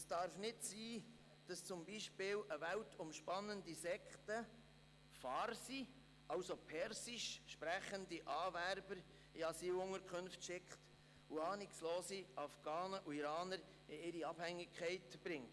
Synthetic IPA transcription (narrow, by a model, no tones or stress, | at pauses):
sd̥ɑɾfnɪtsiː | d̥ɑst͡sʊmbiʃpɪːlʔəvæwtʰʊmʃpɑnəndisɛkχtə | fɑːɾsi | ʔɑwsopʰɛɾsiʃʃpɾæχəndiʔɑːvæɾbəɾ | iɑsiːlʊŋəɾkχønftʃɪkχt | ʊɑːnɪksloːsiʔɑfɡ̥ɑːnəʔuiɾɑːnəɾ | ɪɪɾiɑb̥hæŋːɪkʰχɛɪtb̥ɾɪŋt